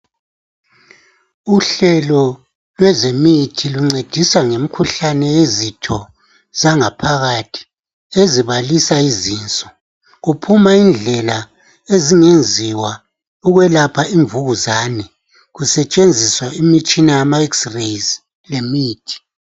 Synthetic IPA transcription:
uɬɛlɔ | lwɛzemitʰiluŋ͡ǀed̥ʱiswaŋemikʰuɬanɛjezitʰɔ | zaŋapʰaɣatʰi̥ | eziβalisaizint͡sʼɔ̥ | ɣupʰumaind͡ɮʱɛla | eziŋend͡zʱiwa | uɣwɛlapʰaiɱvuɣuzaːnɛ | ɣusɛt͡ʃʼend͡zʱiswaimit͡ʃʼinajamaɛksrejz | lemiːtʰi̥

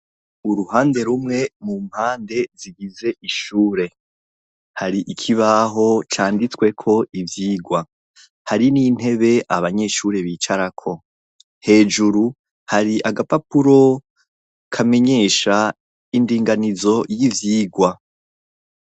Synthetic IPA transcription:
uɾuhaːnde̞ɾumŋe̞mumhaːnde̞ziɡize̞ʔiʃuːɾe̞ | haɾiʔikʰiβaɦo̞t͡ʃaːndit͡skwe̞kʰo̞ʔivjiːɡwa | haɾiniːn̥he̞βe̞ʔaβaɲe̞ʃuɾe̞βiːt͡ʃaɾakʰo̞ | he̞ːd͡ʒuɾu | haɾiʔaɡapapuɾo̞ | kʰame̞ɲe̞ʃa | indiːŋɡanizo̞jivjiːɡwa

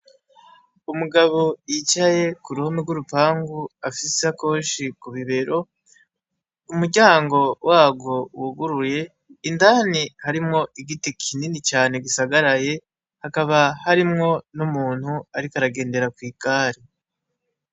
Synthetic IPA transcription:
umuɡaβo̞jit͡ʃaje̞kuɾuhomiɡuɾupaːŋɡuafiseako̞ːʃikuβiβe̞ɾo̞ | umuɾɟaːŋɡo̞wʔaːɡo̞wuɡuɾuje̞ | indaːnihaɾimŋo̞ʔiɡitikʰininit͡ʃaːne̞ɡisaɡaɾaje̞ | hakaβahaɾimŋo̞numuːn̥huaɾikaɾaɡe̞ːnde̞ɾakwiːkaːɾi

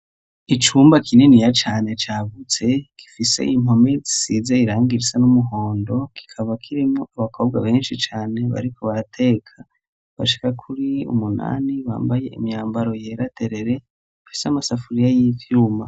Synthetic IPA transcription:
it͡ʃuːmbakʰinenijat͡ʃaːne̞t͡ʃaːβut͡se̞ki̥fise̞̰ʔim̥o̞mezi̥sizaiɾaːŋɡiɾisanumuɦo̞ːndo̞ki̥kʰaβakʰiɾimŋoʔaβakʰo̞ːb̚ɡwaβe̞ːnʃit͡ʃaːne̞βa̰ɾikʰo̞βaɾatʰe̞ːkʰa | βa̰ʃi̥kakʰuɾiṵmuna̰ːniβa̰ːmbaje̞ḭmjaːmbaɾo̞je̞ːɾatʰe̞ɾe̞ɾe̞ | afi̥seamasafuɾijajifiɾuma

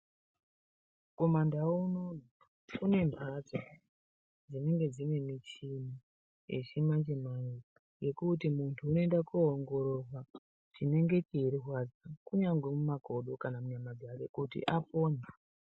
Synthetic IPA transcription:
ko̞mandaunoa | kune̞mbʱad͡zo | d͡zine̞ŋɡe̞d͡zine̞mit͡ʃini | ḛʃimat͡ʃemaikḁ | je̞kutimuntʰuːnoendakuɦoŋɡo̞ɾo̞rwa | t͡ʃine̞ŋɡe̞t͡ʃiiɾirwad͡zakuɲaŋɡwemumako̞ɗo̞kanamuɲamaɡʱaɾekutḭʔapo̞ːɲa

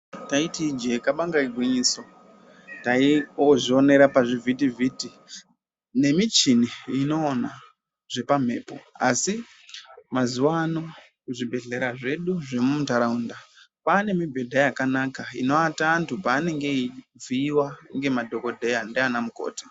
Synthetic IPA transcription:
taitid͡ʒekaɓaŋɡaiɡʱwiɲiso̞ | taioʐio̞ne̞ɾapaʐivʱitiviti | ne̞mit͡ʃiniːno̞ːna | ʐ̥e̞pam̤e̞̰ːpo̞a̰si | mazuwano | kuʐibʱe̞ɮe̞ɾaʐe̞ɗuʐe̞mumutaɾaunda | paːne̞mibʱe̞dʱajakanakaḭno̞ataːntupaːne̞ŋɡe̞ib͡viːwaŋɡe̞madʱo̞ko̞dʱejandianamuko̰ːtḁ

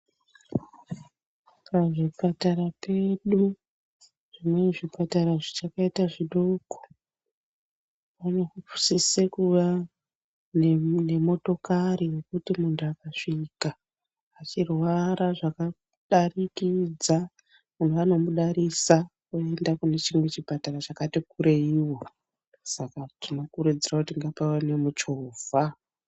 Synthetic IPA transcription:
kaʐipataɾape̞ɗu | ʐ̥imwe̞ʐipataɾaʐit͡ʃakaitaʐiɗoːko̥ | ʋano̞kupu̥sisekuʋa | nne̞mo̞to̞kaɾiwe̞kutimuntuakaʂikaː | t͡ʃirwaɾaʐaka | ɗarikid͡za | mun̤uʋano̞muɗaɾisakue̞ndakune̞t͡ʃimwe̞t͡ʃipatarat͡ʃakatikuɾeiwo̞ | sakatino̞kuɾud͡zirakutiŋɡapawanemut͡ʃoːv̥ʱa

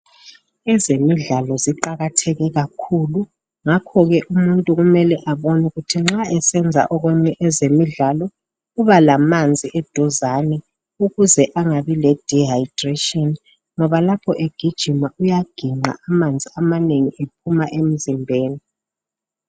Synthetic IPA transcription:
ɛzemiɮalɔziǃaɣatʰɛɣɛɣakʰulu | ŋakʰɔɣɛʔumuntʼuɣumɛlɛʔaβonuɣutʰiŋ͡ǁaɛsɛnd͡zʱa̰ʔɔɣɛɲɛʔɛzemiɮalɔ | uβalamand͡zʱiʔɛd̥ʱɔzanɛ | uɣuzɛʔaŋaβilɛd̥ʱiɦajd̥retʼiɔn | ŋɔβalapʰɔʔeɡ̥ʱid̥ʒ̥ʱimaujaɡ̥ʱiŋ͡ǃa̰ʔamand͡zʱiamaneŋiʔepʰumaʔem̩zimbʱeːni

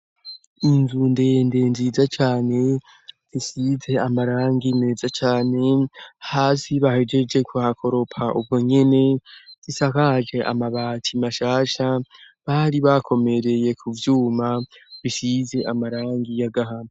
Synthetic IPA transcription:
inzunde̞nde̞nziːzat͡ʃaːne̞ | z̥isize̞amaɾaːŋɡine̞ːzat͡ʃaːne̞haːsiβahe̞d͡ʒe̞d͡ʒe̞kuhakʰo̞ɾo̞pʰaʔub̚ɡoɲe̞ne̞z̥isakad͡ʒe̞ʔa̰maβaːtʰimaʃaːʃa | βaɾiβakʰo̞me̞ɾe̞je̞kʰuvjuːmaβisize̞ʔamaɾaːŋɡijaɡaɦam

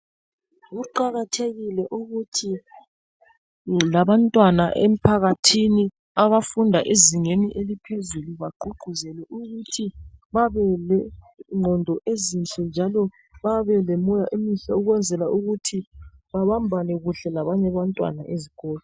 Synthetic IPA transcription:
ɣuǃaɣatʰeɣilɛʔuɣutʰi | laβantʼwanaʔḛm̩pʰaɣatʰini | aβafundʱaʔeziŋeniʔelipʰezuluβaǃuɡ͡ǃʱuzɛlɛʔuɣutʰiβaβɛlɛ | ŋ͡ǃʱɔndʱɔʔezint͡ɬʼɛnd͡ʒʱalɔ | βaβɛlɛmɔjaʔemiɬauɣwɛnd͡zʱɛlaʔuɣutʰiβaβambʱanɛɣuɬɛlaβaɲɛβantʼwa̰naʔeziɣɔːlɔ

